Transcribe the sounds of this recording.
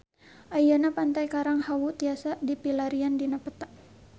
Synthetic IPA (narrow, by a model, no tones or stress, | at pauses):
ʔajanapant̪ajkaɾaŋhawut̪iasadipilaɾiandinapət̪aʔ